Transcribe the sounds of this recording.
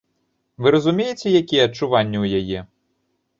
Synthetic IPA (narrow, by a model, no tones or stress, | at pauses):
ʋɪɾɐzʊmʲijetʲɛjɐkʲiɐt͡ʃːʊʋɑnʲːɐwjɐjɛ